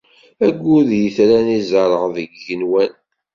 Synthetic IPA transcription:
æɡʷːʊðjəθɾænizəɾˤəʁðəɡːənwæn

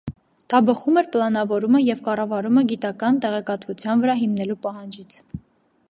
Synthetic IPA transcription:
d̪̥ɑbəχumɛɾplɑnɑvɔɾuməjɛvkɑrɑvɑɾuməɡit̪ɑkɑnt̪ɛʁɛkɑt̪vut͡sʰjɑnvəɾɑɦimnɛlupɑɦɑnd͡ʒit͡sʰ

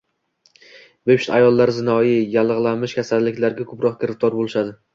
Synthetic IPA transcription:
bepʃɪ̥t̪ajɒlˠːaɾzɪnɒjijalˠɨʁlˠanmɪʃkʲʰasalːɪkʲlaɾɡʲakʰɵpɾɒq̚kʲʰɪɾɪft̪ʰɒɾbolˠɪʃad̪ɪ

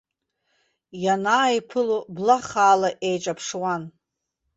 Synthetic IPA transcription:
janaːipʰɨloblaχaːlaʔejʈ͡ʂʼapʰʂwan

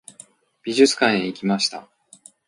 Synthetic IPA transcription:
b̥ʲiʑɨt͡sɨ̥kãɰ̃eikʲimaɕi̥t̪a

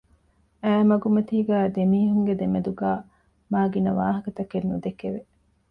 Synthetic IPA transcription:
æːmɐɡumɐt̪iːɡæːd̪emiːɦuŋɡed̪emed̪uɡæː | maːɡinɐʋa̰ːɦɐkɐt̪ɐkenːud̪ekeʋe

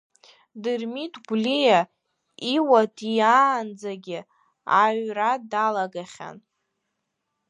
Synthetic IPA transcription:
dɨrmitʰɡʷlija | iwatʰijaːnd͡zaɡʲɪ | aɥradalaɡaχʲa̰n

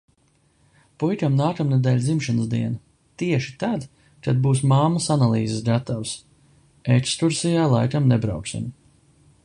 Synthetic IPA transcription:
pujkʲamnaːkamnɛd̪ɛːlʲzimʃanəsd̪iɛna | t̪iɛʃi̥t̪ad̪ | kad̪̚buːsmamasanalˠiːzes̬ɡat̪aws | ɛkst̪uɾsijaːlˠa̰jkamnɛbɾa̰wksḭm

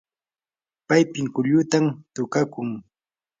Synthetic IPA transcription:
pajpɪŋkʊʎʊt̪amt̪ʊkakʊŋ

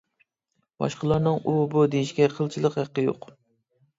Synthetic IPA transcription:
bɑ̰ʃqəlˠɑɾnɨŋubud̪ejiʃɡʲɛqʰəlˠt͡ʃʰilˠəqhæqːəjo̰q

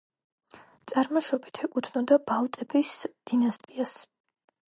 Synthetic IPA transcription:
t̪sʼaɾmɔʃɔbit̪ʰɛkʼut̪ʰnɔd̪abalt̪ʼɛbisd̪̥inast̪ʼias

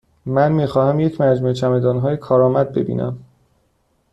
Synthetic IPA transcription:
mænmiːxɒːhæmje̞cʰmæd͡ʒmuːet͡ʃʰæme̞d̪ɒːnɦɒːjekʰɒːɾɒːmæd̪̚be̞̰bḭːnʔæ̰m

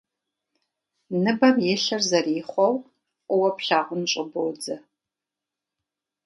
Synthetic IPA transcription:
nɨbɐmjɛɬɐrzɐriːχʷɔw | ʔʷʼʊwɐpɬaːʁʷʊnɕʼɪbowd͡zɐ

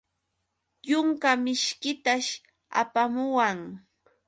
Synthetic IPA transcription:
jʊŋkamɪʃkɪt̪aʃ | a̰pamʊwaŋ

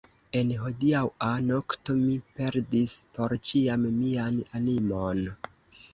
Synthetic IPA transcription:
e̞nɦo̞diawano̞kto̞mipe̞ɾdispo̞ɾt͡ʃiammiananimon

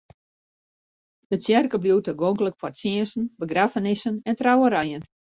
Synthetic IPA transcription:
d̥əsjɛrkəbljuwtəɡoŋɡələkfɔrsjɪənsn̩bəɡrafənɪsənɛntrawəɾɛjən

